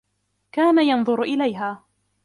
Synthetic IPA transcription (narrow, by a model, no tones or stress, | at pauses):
kaːnajɑnðˤʊɾʔɪlajɦaː